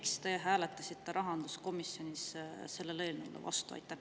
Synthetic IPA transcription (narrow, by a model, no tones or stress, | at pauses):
kst̪e̞ɦæːle̞t̪ːˑɑsit̪ːe̞ɾɑɦɑnd̪̥usko̞misjo̞nʲisse̞lːe̞le̞ːlneṵlʔḛvɑ̰st̪uɑ̰jt̪ːˑɑ